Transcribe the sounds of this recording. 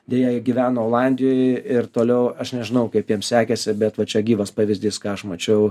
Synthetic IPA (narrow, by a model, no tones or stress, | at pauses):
d̪ʲejɛjɪɡʲiːʋʲæːnooːlˠɑnʲd̪ʲɪjoːjɪrt̪oːlʲɛʊɐʃnʲɛʒʲɪnɐʊkɐɪpjiɛmsʲæːkʲɛsʲɪbʲɛt̪ʋɐt͡ʃʲɛɡʲiːʋɐspɑːʋʲɪzʲd̪ʲiːskɑːɐʃmɐt͡ʃʲɛʊ